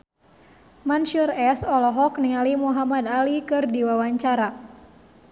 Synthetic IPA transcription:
manʃurɛsɔlɔɦɔkniŋalimuɦamadalikɨrdiwawaɲt͡ʃaɾa

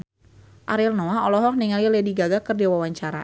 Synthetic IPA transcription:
ʔaɾilnoaɔlɔɦɔk̚niŋalilediɡaɡakərdiwawaɲt͡ʃaɾa̰

